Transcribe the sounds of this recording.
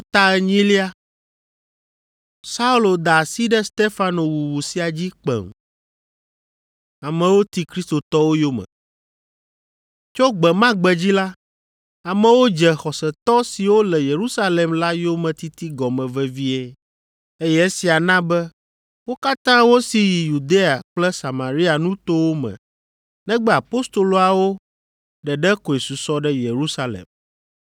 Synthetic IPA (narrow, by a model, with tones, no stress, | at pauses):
t̪a˦ɛ˦ɲĩ˦li˦a˦ | sa˦u˦lo˨d̪a˨si˦ɖɛ˦st̪e˦fa˦no˨wu˨wu˨si˨a˨d͡ʑi˦k͡pɛ̰˨m | a˨mɛ̃˨wo˦t̪i˦kɾi˦st̪o˨t̪ɔ˦wo˦jo˦mɛ̰̃˨ | t͡ʃo˦ɡ͡bɛ˨mã˦ɡ͡bɛ˨d͡ʑi˦la˦ | a˨mɛ̃˨wo˦d͡ʒɛ˨xɔ˨sɛ˨t̪ɔ˦si˨wo˦lɛ˨je˨ɾu˦sa˦le˨mla˦jo˦mɛ̃˨t̪i˦t̪i˦ɡɔ˨mɛ̃˨vɛ˦vi˦e˦ | e˦jɛ˦e˦si˨a˨nã˦bɛ˦ | wo˦ka˦t̪ã˦wo˦si˨ji˨ju˨d̪e˦a˨k͡plɛ˦sa˨mã˨ɾi˦a˨nũ˦t̪o˦wo˦mɛ̰̃˨ | nɛ̃˦ɡ͡bɛ˦a˨po˦st̪o˨lo˨a˨wo˦ | ɖɛ˨ɖɛ˦ko˨e˨su˨sɔ˦ɖɛ˦je˨ɾu˦sa˦lḛ˨m